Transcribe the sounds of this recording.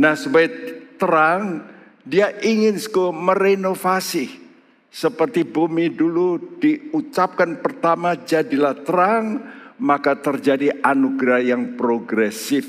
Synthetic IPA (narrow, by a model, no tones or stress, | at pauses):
nahsəbaɪt̪əɾaŋ | diaʔiŋɪnsə̥komərenofasi | səpərt̪ibumidulud̥iut͡ʃap̚kanpərt̪amad͡ʒadilaht̪əɾaŋmakat̪ərd͡ʒadiʔanuɡɾahjaŋpɾoɡɾɛsɪf